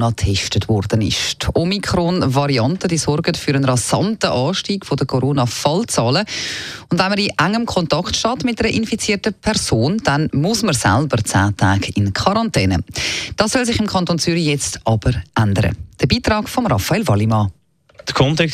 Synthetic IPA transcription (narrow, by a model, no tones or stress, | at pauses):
nɑtʰɛʃtətvɔrd̥ənɪ̰ʃtʰɔmikʰɾonvɑɾiɑntəd̥iːsɔɾɡətfyɾənɾɑsɑntəʔɑːʃtiːɡfodəkʰoɾoːnɑfɑlt͡sɑːləʊndvɛnməɾiʔæŋːəmkʰɔntɑktʃtɑːtmɪt̚dɛɾəʔɪnfit͡siːtəpʰɛɾsoːnd̥ɛnmʊsməɾsa̰lbəɾt͡sa̰ːtʰaːɡɪnkʰɑɾɑntɛːnə̰d̥ɑːsːœls̬ɪχɪmkʰɑntont͡syɾijɛt͡stʰʔɑb̥əɾʔandəɾə̰d̥əbiːtɾɑːɡfɔmrɑfɑeːlvɑlimɑ | d̥əkʰɔntɛk